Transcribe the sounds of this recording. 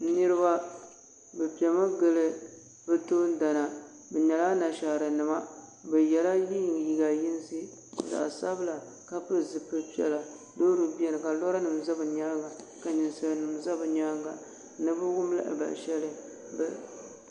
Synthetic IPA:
nɨ˦ɾɨ˦ba˦ | bɛ˨pi˨ɛ˨ma˦ɡɨ˦lɨ˦ | bɨ˦to˦n˦da˨na˨ | bɛ˨ɲɛ˨la˦na˨ʃa˨ɾɨ˨nɨ˨ma˦bɛ˨jɛ˨la˦ji˦ji˨ɡa˨ji˦n˦si˦˨ | za̰˨ʔsa˦bɨ˦la˨ | ka˦pɨ˦zɨ˨pɨ˦pi˨˦ɛ̰˨la˨ | doː˦dɨ˨bi˦ɛ˦nɨ˨ka˨lɔ˦ɾa˦nɨ˨m˨za˦bɨ˨ɲaː˦ɡa˨ | ka˨ɲɪ˨nsa˨lnɨ˨mza˦bɨ˨ɲaː˦ɡa˨ | nɨ˦bɨ˦wʊ˦m˦la̰˦ʔɪ̰˨ba̰˨ʃɛ˦lɨ˦ | b

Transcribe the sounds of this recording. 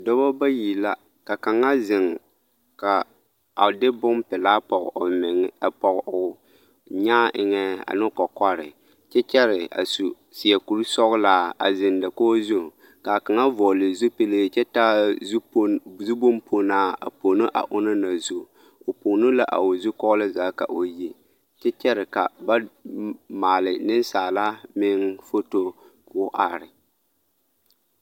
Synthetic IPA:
dɔ˦bɔ˦ba˦ji˨la˦ | ka˨ka˨ŋa˦zɪ˨ŋ | ka˨ | a˨dɪ˦bʊ˦m˦pɪ˨laː˦pɔ˨ɣo˨mɪ˨ŋ˦a˨pɔ˨ɣʊ˨ | ɲaː˦ʔɪ̰˨ŋɛ˦a̰˨nɪ˦kɔ˨kɔ˦ɾɪ̰˨ | t͡ʃɛ˦t͡ʃɛ˦ɾɪ˨a̰˨su˨ | si˨ɛ˨ku˨ɾɨ˦sɔ˦ɣlaː˦a̰˨zɪ˨nda˨ko˦zu˦˨ | ka˨ka˨ŋa˦vɔ˨lɪ˨zu˦pe˦˨le˦˨t͡ʃɛ˦taː˦ | zu˦bo˦mpʰo˨naː˦a̰˨po˨nɨ˦ʔa̰˨ʔʊ˦na˦na˨zu˨ | o˨poː˨nʊ˦la˦ʔa̰˨o˨zʊ˦kɔ˦ɣlɨ˦zaː˦ka̰˨ʔo˨ji˦ | t͡ʃɛ˦t͡ʃɛ˦ɾɪ˨ka̰˨ba˦ | maː˨lɪ˨nɪ˦nsaː˨la˦mɪ˦ŋfo˦to˦ | kːʔa˨ɾɪ˨

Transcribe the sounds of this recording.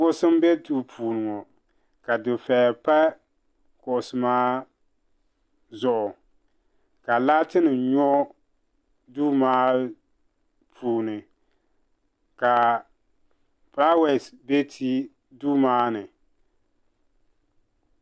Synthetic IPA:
ʊ˦sɨ˦m˦bɛ˦tuː˦pʰuː˨nɨ˨ŋɔ˨ | ka˨dɨ˨fɛ˨pa˦ | kʊ˨ʔsɨ˨maː˦ | zʊ˦ʔʊ˨ | ka˨la˦tɪ˦nɨ˨ɲɔ˦ | duː˦maː˦ | pʰuː˨nɨ˨ | ka˨ | pɾa˦wɛ˨sbe˦tʰi˦ | duː˦maː˦nɨ˨

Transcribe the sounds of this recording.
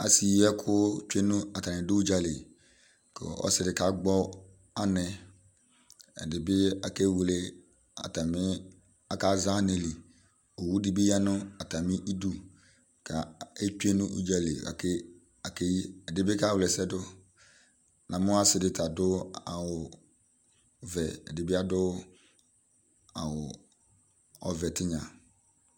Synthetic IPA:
a̰˨si˨ɛ˦kʰʊ˦t͡ʃᶣe˦nʊ̃˦a˨ta˨nɪ̃˨dʊ˦u˦d͡ʒa˨lɪ˨ | kɔ̰˨ɔ̰˦sɪ˨ɾɪ˨ka˨˦ɡ͡bɔ˦ | a˦nɛ̃˨ | ɛ̰˨dɪ˨bɪ˦a̰˨ke˦wu˨lɪ˦ | a̰˨ta˨mɪ̃˦ | a˨ka˦za˦ne˨li˨ | o˨wu˦dɪ˨bɪ˦ja˦nʊ̃˦a˨ta˨mɪ̃˦ʔi˦du˦ | kʰa˨e˦t͡ʃe˦nʊ̃˦ʔṵ˦d͡ʒa˦le˨a̰˨kɪ˦ | a˨ke˦ji˦ɛ˨dɪ˨bɪ˦ka˦˨wlɛ˨sɛ˦dʊ˦ | nã˨mʊ˦a˦sɪ˨dɪ˨tʰa˨dʊ˦a˨wʊ˨ | vɛ˨ɛ̰˨dɪ˨bɪ˦a˦dʊ˦ | a˨wʊ˨ | ɔ˨vɛ˨tɪ˦ɲã˨

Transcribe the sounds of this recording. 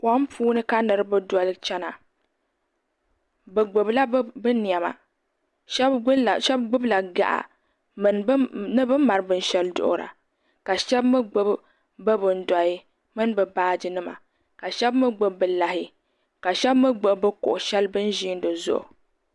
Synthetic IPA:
kʷɔ˦m˦pʰuː˦nɨ˦ka˦nɨ˨ɾɨ˦bɨ˦dɔ˨˦lɨ˦t͡ʃɛ˦na˨ | bɨ˨ɡ͡bo˨bla˦bɨ˦ni˨a˨ma̰˨˦˨ | ʃɛ˦bɡ͡bʊ˦bla˨ɡa̰˨ʔa̰˨ | m˦n˦nɨ˦bɨ˦ma˨ɾɨ˦bɨ˦n˦ʃɛ˦ldʊ̰˦ʔʊ̰˨ɾa̰˨ | ka˨ʃɛ˦bmɨ˦ɡ͡bo˦b | bɨ˦bɨ˨n̩˦da˨i˦ | mɨ˦nbɨ˨baː˦d͡ʒɨ˦nɨ˦ma̰˨ | ka˨ʃɛ˦bmɨ˦ɡ͡bo˦b̚bɨ˨la˨hɪ˦ | ka˨ʃɛ˦bmɨ˦ɡ͡bo˨bbɨ˦kʊ̰˨ʔʊ˨ʃɛ˦lbɨ˦n˦ʒi˦n˦dɨ˨zʊ̰˦˨ʔʊ̰˨

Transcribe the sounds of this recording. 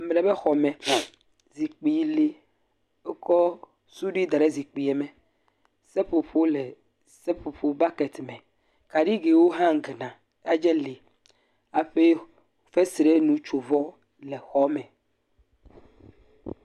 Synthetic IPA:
m˨le˨be˦xɔ˨mɛ̃˨ | zi˨k͡pi˨˦le˦ | o˦kɔ˦ | su˦ɖi˦d̪a˨ɾe˦zi˨k͡pi˨e˨mẽ˨ | sɛ˦ɸo˨ɸo˦le˨ | se˦ɸo˨ɸo˦ba˦kɛ˨t̪mɛ̃˨ | ka˨ɖi˦ɡe˨wo˦ɦã˦ŋ˨ɡe˨nã˨˦ | a˦d͡ʒɛ˦li˨ | a˨ɸe˦ | fe˦si˨ɾe˦nũ˨t͡ʃo˨vɔ˦ | le˨xɔ˦mɛ̃˨

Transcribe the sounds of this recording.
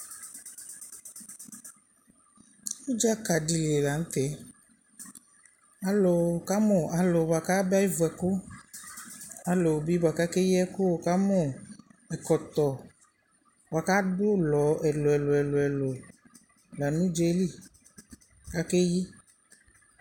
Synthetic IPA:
wo˦d͡ʒa˦ka˨ɖi˨le˨la˨ŋ̩̃˦t̪ɛ˨˦ | a˨lo˨ka˦mɔ̃˨a˨lo˨ba˨ka˦ba˦ji˦vo˨ɛ˨ko˦ | a˨lo˨bi˦ba˨ka˦ke˦ji˦ɛ˦ko˦o˨ka˦mɔ̃˨ɛ˨kɔ˨t̪ɔ˨ | bwa˨ka˦ɖo˦lɔ˨˦ɛ˨lo˨ɛ˨lo˨ɛ˨lo˨ɛ˨lo˨ | la˨nũ˦d͡ʒe˦li˦˨ | ka˦ke˦ji˦

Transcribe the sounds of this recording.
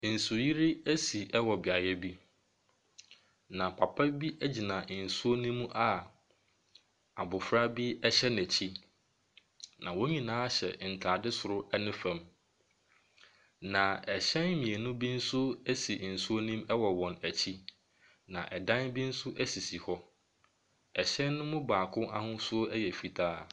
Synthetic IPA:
n̩˨sʊ˨ji˦ɾi˦æ˦si˨ʔɛ˦wɔ˨bɪ˨a˨jɛ˦bi˦ | nã˨pʰa˨pʰa˦bi˦ʔæ˦d͡ʑi˨nã˨n̩˨su˦o˦nĩ˦m̃˦ʔa˨ | a̰˨bʊ˨fɾa˦bi˦ɛ˦ɕɛ˦næ˨t͡ɕʰi˦ | nã̰˨wo˦ɲĩ˨nãː˨˦ɕɛ̰˨n̩˨tʰaː˨dɪ˦sʊ˨ɾʊ˦ʔɛ˦nʊ̃˦fã˨m | nã˨ɛ˨ɕɛ̃˦nmĩ˨e˨nʊ̃˦bi˦n̩˦sʊ˦æ˦si˨n̩˨su˦o˦nĩ˦mɛ˦wɔ˨wɔ̃˨næ˨t͡ɕʰi˦ | nã̰˨ʔɛ˨dã˦nbi˦n̩˦sʊ˦ʔæ˦si˨si˨hɔ˦ | ɛ˨ɕɛ̃˦nː˦ʊ̃˦mʊ̃˦baː˨kʰʊ̃˦ʔa̰˦hʊ̃˦sʊ˦ɛ˦jɛ˨fi˨tʰaː˦

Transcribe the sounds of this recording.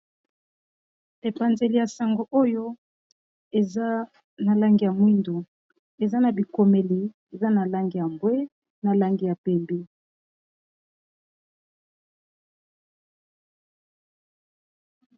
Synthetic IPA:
e˨pa˨nze˨li˨ja˨sa˨ŋɡo˨ʔo˦jo˦ | e˨za˦ | na˨la˦ŋɡi˨ja˨mwi˦ndo˨ | e˨za˦na˨bi˨ko˨me˨li˨ | e˨za˦na˨la˦ŋɡi˨ja˨mbwe˦ | na˨la˦ŋɡi˨ja˨pɛ˨mbi˦

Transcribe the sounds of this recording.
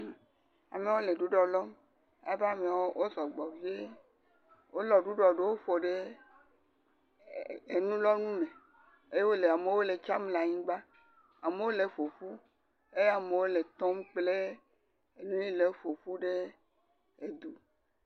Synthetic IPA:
a̰˨me˨˦wo˦le˨ɖu˦ɖɔ˨lɔ˦m | a̰˨ba˦me˨o˦wʔo˦zɔ˨ɡ͡bɔ˨vi˦e˦ | wo˦lɔ˨ɖu˦ɖɔ˨ɖe˦wo˦ɸo˨ɖe˦ | e˨nũ˦lɔ˦nũ˦mẽ˨ | e˦je˦wo˦le˨a˨me˨˦wo˦le˨t͡ʃa˦mla˨ɲĩ˦ɡ͡ba˦ | a˨me˨wo˦le˨fo˨fu˦ | e˦je˦a˦me˨wo˦le˨t̪ɔ˦mk͡ple˦ | e˨nũ˦ɲĩ˦le˨˦fo˨fu˦ɖe˦ | e˨d̪u˨

